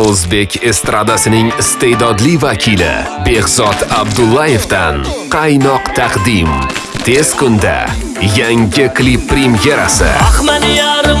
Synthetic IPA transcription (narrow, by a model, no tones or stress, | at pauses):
ozbe̞kʲʰest̪ɾad̪asɪnɪŋɪst̪e̞d̪ɒd̪livakʲʰilɪ̰ | be̞ɣzɒt̪abd̪ʊlˠːaje̞fd̪anqʰɑjnɒqt̪ʰɑqd̪im | t̪ʰe̞z̥kʊnd̪a̰ | jaŋʲɪkʰlipːɾimjeɾa̰sɪ̰